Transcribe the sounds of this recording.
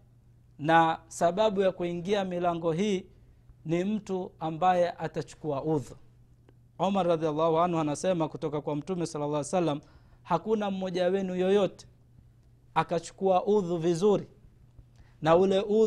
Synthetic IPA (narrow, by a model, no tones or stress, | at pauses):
nasaɓaɓujakuiŋɡiamilaŋɡɔɦiː | nim̩tuambajɛʔatat͡ʃu̥kuaʔuðu | ɔmaɾɾaðialːahuanhuanasɛmakutɔkakwam̩tumɛsalːalˠːahwsalːam̩hakunam̩mɔʄawɛnujɔjɔtɛ̥ | akat͡ʃu̥kuaʔuðuvizuɾi | naulɛʔu